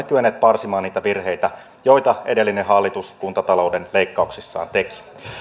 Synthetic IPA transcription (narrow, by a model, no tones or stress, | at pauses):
ekyenːˑeːt̪̚pɑrsimɑːniːt̪æʋirɦejt̪æ | jo̞jt̪ɑʔḛdelːinenɦɑlːit̪uskunt̪ɑt̪ɑlo̞wdenle̞ikːɑuksisːɑ̰ːnt̪e̞ki̥